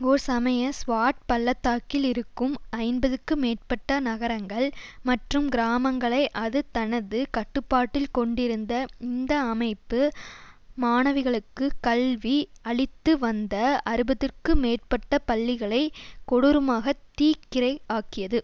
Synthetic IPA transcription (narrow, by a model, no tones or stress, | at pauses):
ɔɾsɐmɐjɐsʋaːʈ̚pɐlːɐt̪ːaːkɪlɪɾɯkːɯmɐɪnbɐðɯkːɯmeːr̚pɐʈːɐnɐɣɐɾɐŋɡɐɭmɐʈrɯmɡɪɾaːmɐŋɡɐɭɐɪʔɐðɯt̪ɐnɐðɯkɐʈːɯpːaːʈːɪlkɔɳɖɪɾɯnd̪ɐɪnd̪ɐːmɐɪpːɯ | maːnɐʋɪɣɐɭɯkːɯkɐlʋiɐɭɪt̪ːɯʋɐnd̪ɐɐɾɯbɐðɯrkɯmeːrpɐʈːɐpɐlːɪɣɐɭɐɪkɔɽɯɾɯmaːɣɐt̪ːiːkːɪɾɐɪaːkɪjɐðɯ